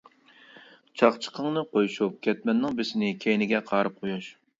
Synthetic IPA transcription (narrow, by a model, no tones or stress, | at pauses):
t͡ʃʰɑχt͡ʃʰə̥qʰəŋnɨqojuʃup̚kʲʰɛt̪̚mɛnːɪŋbɪsɪnɪkʲʰejnɪɡʲɛqʰɑːɾɨp̚qʰojuʃ